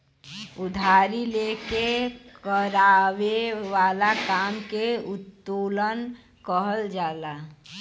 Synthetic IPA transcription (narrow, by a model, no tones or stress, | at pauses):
ʊd̪ʱaːɾileːkekəɾaːwewaːlakaːmkeʊt̪ːuːlən | kəɦəld͡ʒaːlaː